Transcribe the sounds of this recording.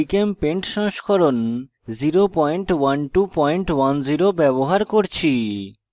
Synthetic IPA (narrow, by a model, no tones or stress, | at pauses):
ikempeɳʈʃɔŋʃkʰɔɾon | ziɾopɔjɳʈwanʈupɔjɳʈwand͡ʑiɾobɛβoɦaɾkoɾt͡ɕʰi